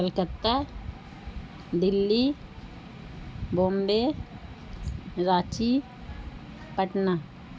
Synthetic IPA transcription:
əlkət̪ːa | d̪ɪlːi | boːmbe | ɾaːt͡ʃi | pəʈna

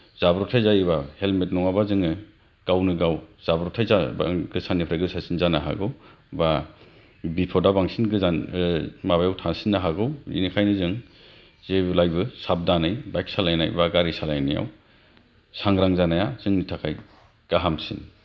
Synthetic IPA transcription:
z̥abɾɔtʰajzajibahelmet̚nɔŋabazɯŋɯ | ɡ̥awnɯɡawz̥abɾɔtʰajza̰ɡɯsʰanːipʰɾaɡɯsasinzanaɦa̰ɡɯw | ba | bipʰɔdabaŋsinɡɯzanmabajawtʰansinːaɦaɡɯwḭnikʰajnɯzɯŋ | zeblajbɯsab̚danajbajk̚salajna̰jbaɡaɾisalajnija̰w | saŋɾaŋzanajaz̥ɯŋnitʰakʰaj | ɡ̥aɦamsḭn

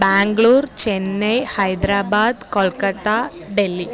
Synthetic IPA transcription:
baːŋɡɭuːɾt͡ʃenːejhɐjd̪ɾaːbaːd̪kɔlkɐt̪aɖelːi

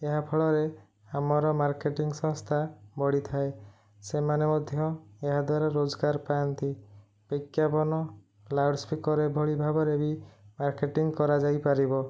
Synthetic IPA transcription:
eɦapʰɔɭɔɾe | amɔɾɔmaɾkeʈiŋɡsɔ̃ŋst̪ʰabɔɽit̪ʰae | semanemɔd̪ʱjɔeɦad̪waɾaɾod͡ʒɡaɾpajɔnt̪i | b̥ɔkjapɔnɔ | laɾɖspikɔɾebʱoɭibʱabɔɾebimaɾkeʈiŋɡkɔɾad͡ʒajpaɾibɔ

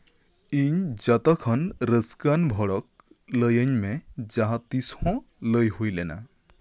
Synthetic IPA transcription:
iɲd͡ʒat̪ɔkʰʌnɾəskanbʱɔɽɔk̚ | ləjəɲmed͡ʒaɦat̪ishɔ̃ | ləjɦujlɛna̰

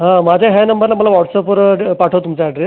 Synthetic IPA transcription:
ɦãmad͡ʑʱeɦjanəmbəɾlamalaʋɔʈsəpəɾpːaʈʰəʋt̪umt͡saːɖɾes

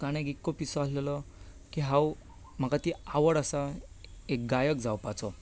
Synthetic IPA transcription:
kaɽ̃ekikːopisɔaslelɔ | kiɦãw | m̤akat̪iaʋəɽasa | ek̚ɡajək̚d͡zawpat͡sɔ

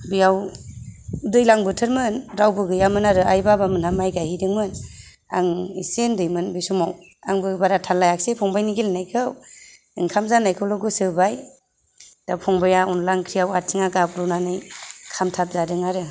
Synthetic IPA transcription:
bijaw | udɯjlaŋbɯtʰɯɾmɯnɾawbɯɡɯjamɯnaɾɯajbabamɯnhamajɡahidɯŋmɯn | a̰ŋisendɯjmɯnbisumaw | aŋbɯbaɾatʰalːajak̚sepʰɔŋbajniɡelnajkʰɯw | ɯŋkʰamzanajkʰɯwlɔɡɯsɯbaj | d̥apʰɔŋbajaunlaŋkʰɾijawatʰiŋaɡapɾɔnanɯjkʰamtʰap̚zadɯŋaɾɯ

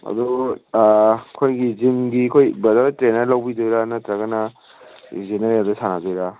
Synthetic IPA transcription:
ɐ̰du | kʰojɡizimɡikʰojbɐdɐɾtɾenɐɾlawbidojɾanɐtɾɐɡɐnɐ | zenɐɾaldɐsanadɔjɾa

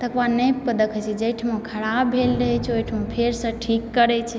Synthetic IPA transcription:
t̪əkʋanəjpəd̪əkət͡ʃʰid͡ʒəjʈʰmokʰəɾabʱelɾəɦɛt͡ʃʰojʈʰmupʰeɾsə̃ʈʰikːəɾɛt͡ʃʰɛ

